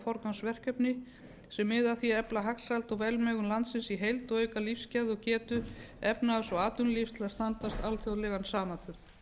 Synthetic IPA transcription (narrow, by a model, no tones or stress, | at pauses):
fɔɾkansvɛr̥cœpnɪ | sɛmːɪðaθiɛplaɦaksalt̪ɔɣvɛlmɛɣʏmlant̪sɪnsiɦejlt̪ɔɣœːɥjkalifscɛɾðɔɣcɛːt̪ʏɛpnaasɔɣaːt̪ʏnlifst̪ʰɪlðast̪ant̪ast̪alθjawlɛɣansaːmat̪ʰʏɾθ